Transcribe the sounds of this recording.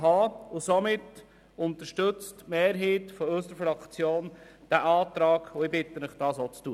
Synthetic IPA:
ɦɑʊsɔmɪt | ʊnt̪əʃtɵt͡stmeːɾɦiːtfɔøsəɾfɾɑkt͡sjoːn | d̥æʔɑːt̪ɾɑːɡ̥ʊɪbɪt̪ːənəχd̥ɑːsot͡stuːə

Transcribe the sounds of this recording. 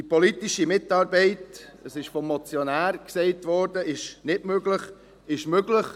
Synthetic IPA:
dipɔlitiʃimɪtːɑːɾbɛɪtəsɪʃfɔmːɔt͡sjɔnæːɾksɛɪtvʋɔɾdəɪʃnɪdmøɡləχ | ɪʃmøɡləχ

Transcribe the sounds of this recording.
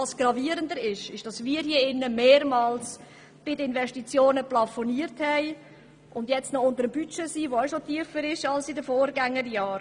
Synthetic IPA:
ɑsɡ̥rɑviːəɾəndəɾɪʃɪʃd̥ɑsʋiːəɾhiəɪnːəmeːɾmɑːls | b̥ɪdəɪnvɛʃtit͡sjoːnəplɑfɔniːəɾthɛɪ | ʔʊndjɛt͡stnɔʊndəɾəmbyt͡ʃesiːʋoɛʃotiəfəɾɪʃɑlsɪdəfoːɾɡaŋːədəjɑːɾ

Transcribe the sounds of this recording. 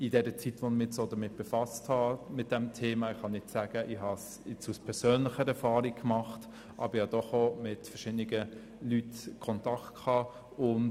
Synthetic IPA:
ɪdɛɾət͡sitʋonmɪsodəmɪt̚b̥efɑsthɑmɪt̚d̥ɛmtʰeːmɑɪχɑnɪt͡ssæːɡ̥əʔɪhɑs | ɛt͡suspʰɛɾsœːnlɪχəɾɛɾfɑːɾikkmɑχt | ʔɑ̰bəɾiɑd̥ɔχomɪtfɛʃɪdəniɡə | lytkʰɔntɑktkʰɑː | ʊn

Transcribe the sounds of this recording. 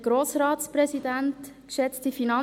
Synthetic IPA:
ɡ̥ɾoːsɾɑːtspɾɛsidɛntkʃɛt͡std̥ifinɑ

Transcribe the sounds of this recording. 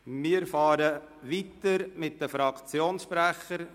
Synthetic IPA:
mɪːəɾfɑːɾə | ʋitəɾmɪt̚d̥əfɾɑkt͡sjoːnsʃpɾæχəɾ

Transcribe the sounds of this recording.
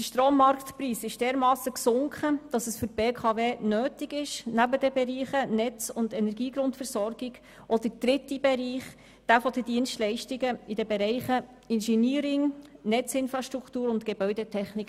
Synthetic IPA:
dəʃtroːmːɑɾkt̪priːsɪʃd̥eːɾmɑːsəksʊŋkχəd̥ɑsəsfʏpeːkʰɑveːnøːtɪɡɪʃnæbədɛbɛɾiːχənɛt͡sʊndɛnɛɾɡiːɡɾʊntfɛɾsɔɾɡ̥ɪɡ̥ | ʔɔd̥əd̥ɾɪtibɛɾiːχ | d̥æfɔd̪ədiənstlɛɪʃtɪɡəidɛbɛɾɛɪχə | ɪnʃɛniːɾɪŋnɛt͡sɪnfɾɑʃtɾuktuːɾʊntɡebœʏdɛtʰɛχnɪk

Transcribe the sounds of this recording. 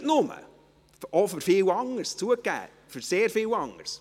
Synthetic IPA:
tnʊmə̰ | ɔfʏɾfɪːwɑŋəɾst͡suəkːæ̰ː | fʏɾseːɾfɪːwɑŋə̰ɾs

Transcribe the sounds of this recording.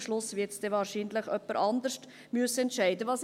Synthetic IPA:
ʃlʊsvɪtsd̥ɛvɑːɾʃiːnləχœpːəɾʔɑnd̪əɾʃt | myəsəɛntʃɛɪdəvɑːs

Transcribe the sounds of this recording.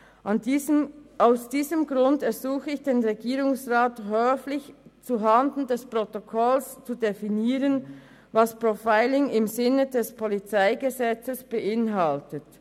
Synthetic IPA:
aʊsd̥iːzəmɡʁʊndɛɐzuːxəɪçd̥eːnʁeɡiːʁʊŋsʁaːthøːflɪçt͡suɦandn̩dɛspʁ̥otokʰɔlst͡sudefiniːʁən | vaspʁofaɪlɪŋɪmzɪnədɛspʰolit͡saɪɡəzɛt͡səsb̥əʔɪnɦɑltət

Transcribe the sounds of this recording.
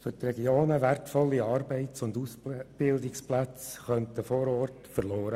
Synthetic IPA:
fʏt̪rɛɡjoːnəʋærtfɔlːiɑːrbɛɪt͡sʊndusb̥ɪldɪksplæt͡sχœntəfoːɾɔːrtfərloːɾə

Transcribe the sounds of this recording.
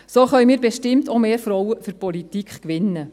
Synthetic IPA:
soːχœʏmiːɾbɛʃtɪmtomeːɾfɾɔwəfyɾpɔlitikχkʋɪnːə

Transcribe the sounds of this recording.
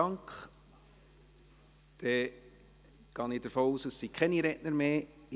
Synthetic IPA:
ɑŋkχ | d̥ɛ | ɡ̥ɑːnɪd̥əɾfoːuːsəsːikʰχɛniɾɛʔnəɾmeː

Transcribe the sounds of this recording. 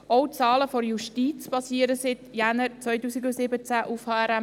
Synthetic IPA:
ɔʊt͡sɑːləfɔɾjuʃtit͡spɑsiːəɾəsɪt̪jænəɾt͡sʋœjtuːsiɡʊsɪbət͡sæʔufhɑːɛɾɛ

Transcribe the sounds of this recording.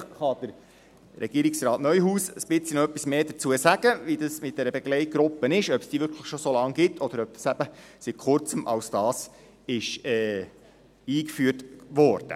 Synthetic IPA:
χɑd̥əɾ | ɾɛ̰ɡ̥iəɾɪksrɑːtnœʏjɦuːsəsbɪt͡sinoœpːismeːdət͡suəsæɡ̥əʋidɑsmɪt̚d̥ɛɾəbɛɡ̥lɛɪt̚ɡ̥ɾʊpːənɪʃœpsd̥iːʋʏɾkʰləχʃosolɑŋɡɪtʰɔd̥̪əɾœp̚tsæb̥əsit̚kʊrt͡səmʔɑ̰wsd̥ɑːs | ɪʃɛː | iːkfyətʋɔɾd̥ə̰

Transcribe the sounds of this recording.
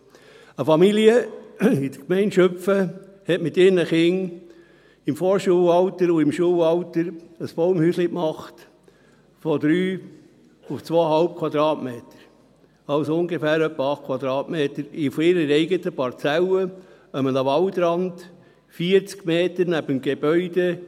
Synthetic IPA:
əfɑmiliəid̪əkmɛɪntʃœfəhɛtmɪt̪ɪɾnəχɪŋ | ɪmfoːɾʃuːəwɑwtəɾʊɪmʃuːwɑwtəɾəsb̥owmhyːslɪkmɑχt | fɔd̥̪ɾyː | ʊft͡sʋoːɦɑlp̚kʰwɑd̪ɾɑːtmeːtə̥ɾ | ɑwsʊŋɡefæːɾœpːəɑχtkʰwɑd̪ɾɑːtmeːtəɾɪfɔɪɾəɾɛɪɡətəpɑɾt͡sælə | əmənəʋɑltɾɑnd̥ | fiːəɾt͡skmeːtəɾnæbəmɡ̥eb̥œʏd̥e

